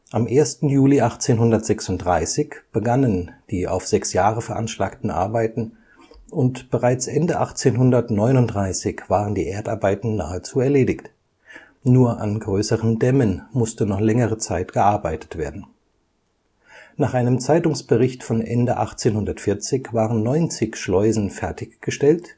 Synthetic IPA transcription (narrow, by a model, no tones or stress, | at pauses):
ʔamʔeːɐstn̩juːliʔaχt͡seːnɦʊndɐtz̥ɛksʊntd̥ʁaɪsɪçb̥əɡanənd̥iːʔa̰ʊfz̥ɛksjaːʁəfɛɐʔanʃlaːktn̩ʔa̰ɐbaɪtn̩ | ʊntb̥əʁaɪt͡sʔɛndəʔaχt͡seːnɦʊndɐtnɔʏnʊntdʁaɪsɪçv̥aːʁəndiːʔeːɐtaɐbaɪtn̩na̰ːət͡suːɛɐleːdɪçt | nuːɐʔanɡʁøːsəʁəndɛmənmʊstənɔχlɛŋəʁət͡saɪtɡ̥əʔaɐbaɪtə̥tv̥eːɐdn̩ | naːχʔaɪnəmt͡saɪtʊŋsb̥əʁɪçtfɔnʔɛ̰ndəʔa̰χt͡seːnhʊndɐtfɪɐt͡sɪçv̥aːʁənːɔʏnt͡sɪçʃlɔʏzn̩fɛɐtɪçɡ̥əʃtɛlt